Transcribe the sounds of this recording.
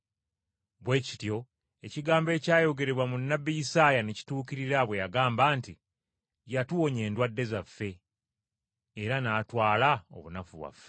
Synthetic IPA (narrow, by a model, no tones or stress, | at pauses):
βwe̞ːci̥tjo̞ | e̞ciɡaːmbe̞ːcaːjo̞ɡe̞ɾe̞βwamunːabːijisaːjaneci̥tuːkiɾiɾaβwe̞jaɡaːmbaːnti | jatuwoɲe̞ːndwadːe̞zafːe̞ | ɾanaːtwaːlao̰βunafuβwa̰fe